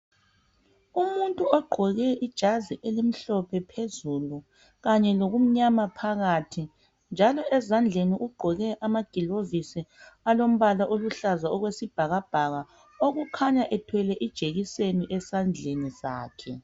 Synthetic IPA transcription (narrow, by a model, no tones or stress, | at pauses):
umuntʼuɔɡ͡ǃʱɔɣɛʔid̥ʒ̥ʱaziʔelim̩ɬɔpʰɛpʰezulu | ɣaɲɛloɣum̩ɲamapʰaɣatʰi | nd͡ʒʱalɔʔɛzand͡ɮʱeniʔuɡ͡ǃʱɔɣɛʔamaɡ̥ʱilovisialom̩βalaʔoluɬazaɔɣwesib̥ʱaɣab̥ʱaɣa | oɣukʰaɲaʔɛtʰwɛlɛʔid̥ʒ̥ʱeɣiseniʔɛsand͡ɮʱeniza̰ːkʰɛ